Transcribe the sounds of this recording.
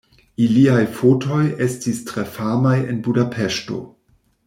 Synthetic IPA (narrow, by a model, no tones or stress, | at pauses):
iliajfoto̞je̞stistɾe̞famajḛnbudapʰeʃto̞̰